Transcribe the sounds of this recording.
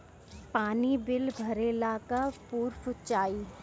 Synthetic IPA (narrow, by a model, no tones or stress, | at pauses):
paːnibɪlbʱɐɾeːlakapuːɾfʊt͡ʃaːiː